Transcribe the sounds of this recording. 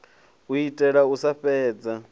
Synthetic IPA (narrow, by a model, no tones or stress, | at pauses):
uitʼɛɺausaɸɛːd͡za